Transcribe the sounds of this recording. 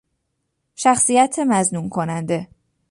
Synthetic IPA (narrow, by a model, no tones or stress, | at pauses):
ʃæxsijæt̪ʰemæznunkʰo̞nænd̪e̞